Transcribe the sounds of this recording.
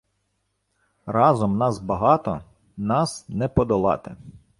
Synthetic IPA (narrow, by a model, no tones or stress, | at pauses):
rɑzɔmnɑzbɐɦɑt̪ɔ | nɑsnɛpɔd̪ɔlˠɑ̰t̪ɪ